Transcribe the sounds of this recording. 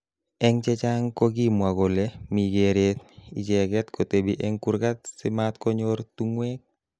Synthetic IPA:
ɛŋt͡ʃɛt͡ʃaŋkoɡimwaɡɔlɛmiɡeɾet̪ḭd͡ʒɛɡɛt̪kotebiʔɛŋkuɾkat̪sɪmat̪kɔɲɔɾtuŋwɛk̚

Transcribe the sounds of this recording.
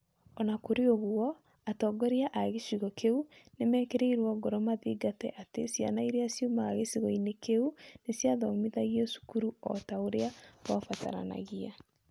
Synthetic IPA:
ɔnakoɾeoɣuɔ | atɔːɡɔɾiaʔaɣeʃiɣɔkeunemɛːkeɾeiɾwɔɡɔɾɔmaðiɡatɛ̰ʔatesja̰naiɾeasjomaaɣesiɣɔinekeunesjaðɔmiðaɣiɔsu̥kuɾuɔ̰taoɾeawafata̰ɾa̰na̰ɣia

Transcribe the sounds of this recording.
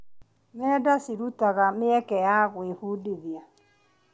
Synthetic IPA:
mɛdasiɾutaɣameɛkɛjaɣwehudeðia

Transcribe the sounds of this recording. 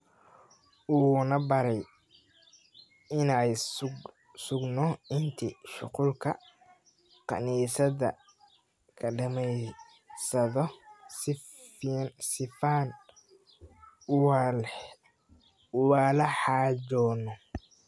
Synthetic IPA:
ʔuːnɐbɐɾɛj | ɪnɛj | sʊɡnɔɪnt̪ʰiʃʊqʊlkʰɐ | qɑ̰niːsɐðɐ̰ | kʰɐɖɐmɛj | sɐðɔsɪ | nsɪfaːn | waːlɐħɑːd͡ʒɔːnɔ

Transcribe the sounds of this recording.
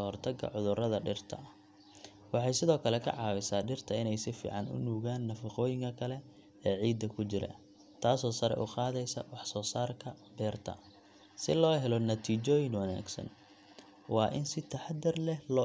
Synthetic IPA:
ɔhɔrt̪ʰɐɡɐ̰ʕʊðʊrɐðɐɖɪrt̪ʰɐ̰ | wɑħɑjsɪðɔːkʰɐlɛkʰɐ̰ʕɑːwɪsaːɖɪrt̪ʰɐɪnɛjsɪfḭːʕɑnʊ̰nuːɣaːnːɐfɑqɔːjɪŋkʰɐkʰɐlɛ | ɛːʕiːd̪ɐkʰʊt͡ʃɪɾɐ̰ | t̪ʰaːsɔːsɐɾɛ̰ʔʊqɑːðɛjsɐ̰wɑħsɔːsaːrkʰɐbɛːrt̪ʰɐ̰ | sɪlɔːɦɛlɔnɐt̪ʰiːt͡ʃɔːjɪŋwɐna̰ːɡsɐ̰n | wɑːʔɪnsɪt̪ʰɐħɑd̪ɐrlɛlɔː

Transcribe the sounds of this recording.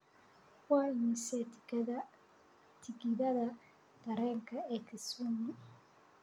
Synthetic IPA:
kwaɲise | tʰikiðaða | t̪aɾeŋkaekisumi

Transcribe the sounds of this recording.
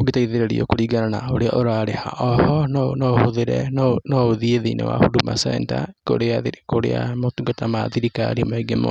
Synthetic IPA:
oɡetaiðeɾeɾḭo̰koɾiːɡaɾanaoɾea̰ʔoɾaɾeha̰ʔɔhɔnnɔhoðeɾɛ̰nnɔoðieðeinḛwa̰huduma̰sɛ̰nta̰ko̰ɾeakoɾḛa̰motuɡatamaðiɾika̰ɾimaeɡemo̰

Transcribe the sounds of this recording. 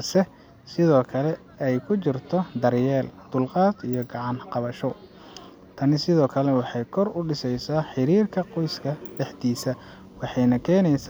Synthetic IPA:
sɛ | sɪðɔːkʰɐlɛ | ɛjkʰʊt͡ʃɪrt̪ʰɔd̪ɐrjɛːld̪̥ʊlqɑːt̪ijɔɡɑʕɑnqɑβɐʃɔ | t̪ʰɐnɪsɪðɔːkʰɐlɛwɑħɑjkʰɔrʊɖɪsɛjsaːħɪɾiːrkʰɐqɔjskʰɐɖɛħt̪iːsɐ | wɑħɑjnɐkʰɛːnɛjs

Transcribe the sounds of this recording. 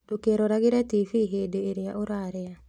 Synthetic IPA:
dokeɾoɾaɣeɾɛtifiɦedoeɾeaʔoɾaɾɛa

